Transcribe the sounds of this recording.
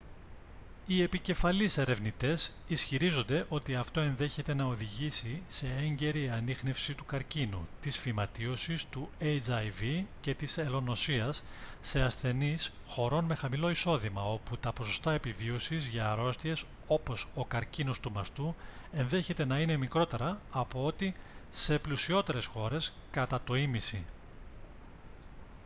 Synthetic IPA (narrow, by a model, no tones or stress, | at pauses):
ie̞pice̞fɐlise̞ɾe̞vnit̪e̞sisçiɾizo̞nd̪e̞ʔo̞t̪iɐft̪o̞e̞nðe̞çe̞t̪e̞nɐo̞ðiʝisise̞eɲɟe̞ɾiɐnixne̞fsit̪ukɐɾcinṵt̪isfimɐt̪io̞sist̪uejt͡sɐjvice̞t̪iselo̞no̞siɐsː | e̞ɐsθe̞nis | xo̞ɾo̞nme̞xɐmilo̞iso̞ðimɐo̞put̪ɐpo̞so̞st̪ɐe̞pivio̞sizʝɐːɾo̞st̪ie̞s | o̞po̞so̞kɐɾcino̞st̪umɐst̪ue̞nðe̞çe̞t̪e̞nɐine̞mikɾo̞t̪e̞ɾɐːpo̞o̞t̪ise̞plusio̞t̪e̞ɾe̞sxo̞ɾe̞skɐt̪ɐt̪o̞imisi